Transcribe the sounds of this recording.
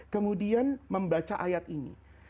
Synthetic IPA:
kəmudianməmbat͡ʃaʔajat̪inḭ

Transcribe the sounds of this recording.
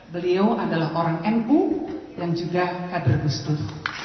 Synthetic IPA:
bəliawʔadalaɦʔoɾaŋɛnpujaŋd͡ʒuɡakadʊrɡust̪ʊs

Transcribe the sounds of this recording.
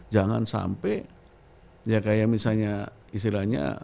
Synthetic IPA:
d͡ʒaŋansa̰mpɛ | jakajamisalɲa | ist̪ilahɲa̰

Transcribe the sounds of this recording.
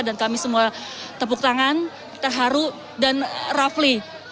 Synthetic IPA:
dankamisəmuat̪əpuk̚t̪aŋan | t̪ərɦaɾu | danrafli

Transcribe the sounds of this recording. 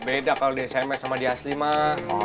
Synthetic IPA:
bedakalodisamɛsamadiaslima

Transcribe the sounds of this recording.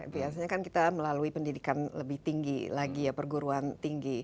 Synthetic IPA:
biasaɲakankit̪aməlaluipəndidikanləbɪht̪iŋɡḭlaɡijapərɡuɾuant̪iŋɡi

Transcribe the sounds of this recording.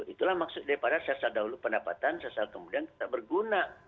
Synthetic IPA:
it̪ulahmaksʊt̪̚daɾipadasasaldaɦulupəndapa̰t̪ansasalkəmudiank̪ə̥t̪aʔ̚bərɡuna

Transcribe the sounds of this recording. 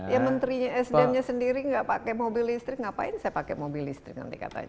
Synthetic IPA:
jamənt̪ɾiɲaɛsdɛnɲasəndiɾiŋɡaʔpakɛmobilist̪ɾɪk̚ŋɡaʔpa̰ɪnsajapakɛ̰mobilist̪ɾɪk̚na̰nt̪ika̰t̪a̰ɲa

